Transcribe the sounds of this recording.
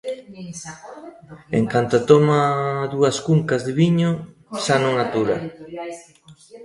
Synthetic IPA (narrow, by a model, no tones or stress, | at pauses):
ḛŋkant̪at̪omaðuɐskuŋkazðɪβiɲo | ʃanõŋat̪uɾa